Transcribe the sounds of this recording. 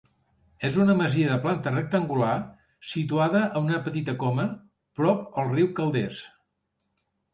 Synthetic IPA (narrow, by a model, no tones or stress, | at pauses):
ezunəməziəðəplant̪ərək̚t̪əŋɡula | sit̪uaðəʔəunəpət̪it̪əkɔmə | pɾɔpəlˠriwkəlˠd̪es